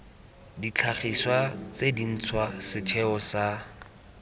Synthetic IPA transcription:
dit͡ɬʰaχiswat͡sedin̩t͡sʰwasɪtʰɛɔsa

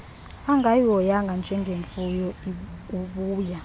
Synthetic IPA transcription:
aŋɡʱajɔjaŋɡʱand͡ʒʱɛŋɡʱeɱfujɔuɓuːja

